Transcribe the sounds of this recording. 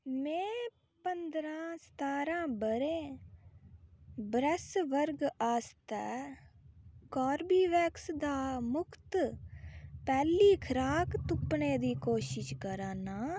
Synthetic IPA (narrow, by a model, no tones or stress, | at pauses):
mɛ̃ː | pənd̪ɾãːst̪aːɾãːbəɾẽː | bɾɛsʋəɾɡaːst̪ɛː | kɔːɾbiːʋɛːksd̪aːmʊkʰt̪ | pɛːliːkʰəɾaːkt̪ʊpneːd̪iːkoːʃɪʃkəɾãːnaː